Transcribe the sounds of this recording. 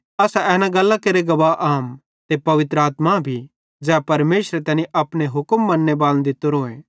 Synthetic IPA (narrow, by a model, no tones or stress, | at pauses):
ɐsaɛːnãɡɐlːakeɾeɡɐʋaːʔaːm | t̪epɐʋɪt̪ɾəaːt̪mabʱi | d͡ʒɛːapɐɾmeːʃɾet̪ɛːnĩʔɐpɽ̃eɦʊkmːɐnːebaːl̃d̪it̪oɾoːẽː